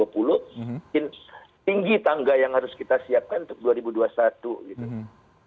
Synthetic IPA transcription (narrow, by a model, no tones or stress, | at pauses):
apulʊhkɪn | t̪iŋɡit̪aŋɡajaŋhaɾʊskit̪asiap̚kanunt̪ʊk̚duaɾibuduasat̪uɡit̪u